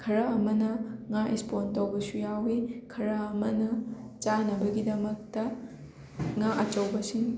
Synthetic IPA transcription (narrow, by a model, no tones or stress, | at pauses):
kʰɐɾɐːmɐnɐŋaʔespontɐwbɐsujawikʰɐɾɐːmɐnɐt͡ʃanɐbɐɡidɐmɐk̚tɐ | ŋaʔɐt͡ʃɐwbɐsin